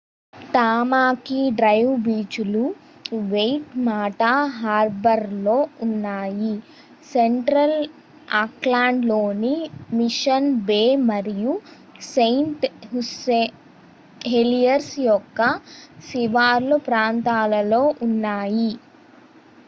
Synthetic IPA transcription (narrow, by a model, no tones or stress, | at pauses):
ʈaːmaːkiɖɾɐjʋbiːt͡ʃulu | ʋejʈmaːʈaɦaːɾbɐɾlo̞ːunːaːji | seɳʈɾɐl | aːklaːɳɖlo̞ːnimiʃɐnbeːmɐɾiju | sejɳʈɦuse | ɦelijɐɾsjɔkːɐsiʋaːɾlupɾaːnt̪aːlɐlo̞ːʔunːaːji